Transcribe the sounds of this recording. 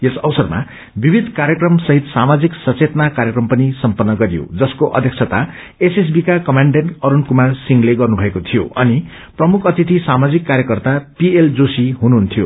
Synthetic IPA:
esʌwsʌrma̰ | bibʱid̪ʱkaɾjʌkrʌmsʌɦit̪samad͡ziksʌt͡set̪nakaɾjʌkrʌmpʌnisʌmpʌnːʌɡʌɾijo̰d͡zʌskoʔʌ̰d̪ʱjʌkt͡sʰʌt̪a | eses̬bikakʌmaɳɖenʈʌɾunkumarsiŋɡleɡʌrnubʱʌekot̪ʰijo̰ʌ̰ni | prʌmukʰʌt̪it̪isamad͡zikːaɾjʌkʌrt̪apield͡zosiɦunuɦunt̪ʰijo̰

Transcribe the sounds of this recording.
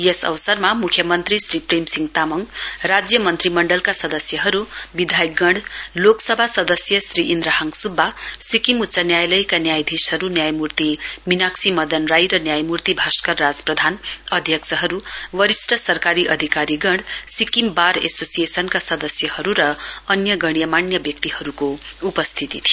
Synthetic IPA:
jesʌ̰wsʌrmamukʰjʌmʌnt̪risripremsiŋɡt̪amʌŋrad͡zjʌmʌnt̪rimʌɳɖʌlkasʌd̪ʌsjʌɦʌɾubid̪ʱajkɡʌɽloksʌbʱasʌd̪ʌsjʌsriʔind̪ɾaɦaŋsubʱːasikimut̪ːsanjajlʌjkanjajd̪ʱisɦʌɾunjajmurt̪iminaksimʌd̪ʌnrajɾʌnjajmurt̪ibʱaskʌrːad͡zprʌd̪ʱanʌd̪ʱjʌksʌɦʌɾuwʌɾisʈʌsʌrkaɾiʔʌd̪ʱikaɾiɡʌɳɽsikimbaɾḛsosijesʌnkasʌd̪ʌsjʌhʌɾuɾʌʌnjʌɡʌɽ̃ijʌmanjʌbjʌk̚t̪iɦʌɾukoupʌst̪ʰit̪it̪ʰi

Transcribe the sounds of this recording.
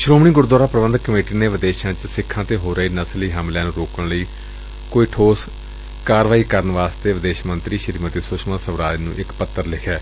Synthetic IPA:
ʃɾoːmɳ̃iːɡʊɾd̪waːɾaːpɾəʋənd̪kəmeːʈiːneːʋɪd̪eːʃãːt͡ʃsɪkʰːãːt̪eːɦoːɾʔəiːnəsliːɦəmljãːnũːɾoːkəɳləiː | koːiːʈʰoːs | kaːɾʋaːiːkəɾənəʋaːst̪eːʋɪd̪eːʃmənt̪ɾiːʃəɾiːmət̪iːsʊʃmãːsəʋɾaːlnṵ̃ːʔɪkpət̪ːəɾlɪkʰɛː

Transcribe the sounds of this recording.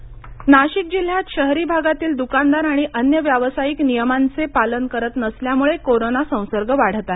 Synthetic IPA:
naɕik̚d͡ʑil̤jat̪ɕəɦɾiːbʱaɡat̪iːld̪ukand̪aɾaɽ̃iʔənjəʋjaʋsajiknijəmant͡sepalənkəɾət̪nəsljamuɭekoɾonasə̃w̃səɾɡʱəʋaɽ̤t̪at̪

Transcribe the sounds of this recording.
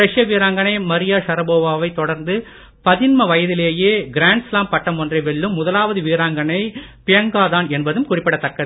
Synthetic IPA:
ɾɐʂjɐʋiːɾaːŋɡɐɳɐɪmɐɾɪjaːʂɐɾɐboːʋaːʋɐɪt̪ːɔɽɐɾnd̪ɯ | pɐðɪnmɐʋɐjɐðɪleːjeːɡɪɾaːɳɖslaːmpɐʈːɐmɔndrɐɪʋɛɭːɯmːʊðɐlaːʋɐðɯʋiːɾaːŋɡɐnɐɪpɪjɐŋɡaːðaːnɛnbɐðɯmkʊrɪpːɪɽɐt̪ːɐkːɐð

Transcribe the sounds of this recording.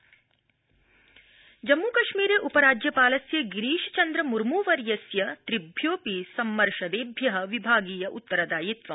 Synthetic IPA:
d͡ʒɐmːuːkɐʃmiːɾeːʔupɐɾaːd͡ʒjɐpaːlɐsjɐɡiɾiːʃɐ̥t͡ʃɐnd̪ɾɐmuɾmuːʋɐɾjɐsjɐt̪ɾibʱjoːpisɐmːɐɾʃɐd̪eːbʱjɐɦɐ̆ʋibʱaːɡiːjɐʔut̪ːɐɾɐd̪aːjit̪ʋɐ

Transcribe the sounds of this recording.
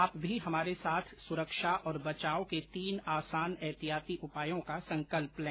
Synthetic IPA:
aːpbʱiɦɐmaːɾesaːt̪ʰsʊɾəkʃaʔɔːɾbɐt͡ʃaːoket̪iːnaːsaːnɛɦt̪ijaːt̪iʔʊpaːjõkasɐ̃ŋkəlplɛ̃ː

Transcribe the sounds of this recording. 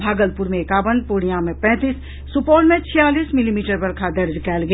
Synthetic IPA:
bʱaːɡəlpʊɾmẽkaːʋənd̪̚pʊːɽ̃ijãmẽpɛ̃ːt̪iːsː | ʊpɔːlmẽt͡ʃʰijaːliːsmɪlimiːʈəɾpɐɾkʰad̪ɐɾd͡ʒkɛːlɡɐ

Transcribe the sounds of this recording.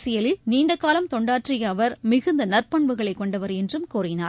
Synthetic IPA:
sɪjɐlɪlniːɳɖɐkːaːlɐmt̪ɔɳɖaːʈrɪjɐːʋɐɾmɪɣɯnd̪ɐnɐrpɐɳʋɯɣɐɭɐɪkːɔɳɖɐʋɐɾɛndrɯmkuːrɪnaː

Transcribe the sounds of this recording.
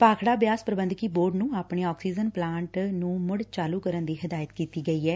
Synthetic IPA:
paːkʰɽaːbjaːspɾəbənd̪kiːboːɾɖnũːaːpɳeːɔːksiːd͡ʒənplãːɳʈnũːmʊɽt͡ʃaːluːkəɾənd̪iːɦɪd̪aːjət̪kiːt̪iːɡəiːɛː

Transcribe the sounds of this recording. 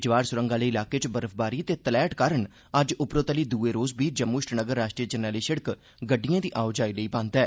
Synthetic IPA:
d͡ʒʋaːɾsʊɾəŋɡãːləiːɪlaːkeːt͡ʃbəɾəfʰbaːɾiːt̪eːt̪əlɛːʈkaːɾəɳ | əd͡ʒʊpɾoːt̪əliːd̪uːeːɾoːzbiːd͡ʒəmːuʃʈnəɡəɾːaːʃʈɾiːəd͡ʒənaːliːʃəɽək | ɡəɖːijãːd̪iːʔaːʊd͡ʒaːiːləiːbãːnt̪ɛː

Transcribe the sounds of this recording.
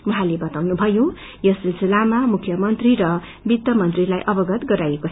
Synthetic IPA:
wuɦalebʌt̪awnubʱʌjõ | jʌsilsilamamukʰjʌmʌnt̪riɾʌ | bit̪ːʌmʌnt̪rilajʔʌbʌɡʌt̪ɡʌɾajeko

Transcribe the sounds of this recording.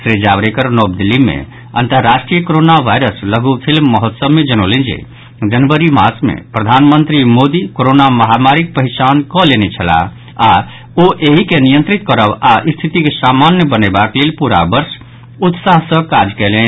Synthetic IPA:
sɾed͡ʒaʋɾekəɾnob̚d̪ilimḛ | ə̰nt̪əɾːaʃʈɾijəkoɾonaʋʱajɾəsləɡupʰilməɦət̪səbmed͡ʒənolẽnd͡ʒḛ | d͡ʒənbəɾimasmḛpɾəd̪ʱanmənt̪ɾimod̪ikoɾonaməɦamaɾik̚pəɦit͡ʃankɔlenet͡ʃʰəla̰ | a | oʔeɦikenijə̃nt̪ɾit̪kəɾəbaʔist̪ʰit̪ikesamanjəbənebaklelpuɾa̰bəɾs | ut̪saɦsə̃kad͡ʒkɛle

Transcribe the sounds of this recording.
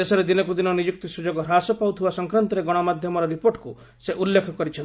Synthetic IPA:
esɔɾed̪inɔkud̪inɔnid͡ʒuk̚t̪isud͡ʒoɡɔɾasɔpawt̪ʰibasɔŋkɾant̪ɔɾeɡɔɽ̃ɔmad̪ʱjɔmɔɾɔɾipoɾʈku | seʔulːekʰɔkɔɾit͡ʃʰɔn

